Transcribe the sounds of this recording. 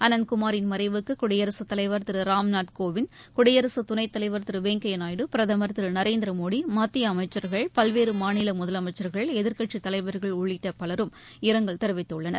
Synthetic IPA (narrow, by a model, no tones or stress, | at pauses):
ɐnɐnkʊmaːɾɪnmɐɾɐɪʋɯkːɯkʊɽɐjɐɾɐsɯt̪ːɐlɐɪʋɐɾt̪ɪɾɯɾaːmnaːʈkoːʋɪnkʊɽɐjɐɾɐsɯt̪ʊnɐɪt̪ːɐlɐɪʋɐɾt̪ɪɾɯʋeːŋkɐjɐnaːjɽɯpɪɾɐðɐmɐɾt̪ɪɾɯnɐɾeːnd̪ɪɾɐmoːɽimaːt̪ːɪjɐːmɐɪt͡ʃːɐɾɣɐɭpɐlʋeːɾɯmaːnɪlɐmʊðɐlɐmɐɪt͡ʃːɐɾɣɐɭɛðɪɾkɐʈt͡ʃit̪ɐlɐɪʋɐɾɣɐɭʊɭːɪʈːɐpɐlɐɾɯm | ɪɾɐŋɡɐɭt̪ɛɾɯʋɪt̪ːɯɭːɐnɐ̰ɾ